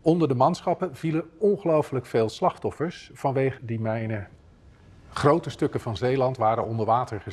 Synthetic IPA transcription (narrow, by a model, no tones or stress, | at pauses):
ɔndəɹdəmɑnsχɑpənv̥iləɔnχəlowfələkfeːlˠslɑχtɔfəɹsfɑnʋejχədimɛjnə | χrowtəstɵkəv̥ɑnzejlɑntʋaːɾənɔndəɹʋaːtəɹχə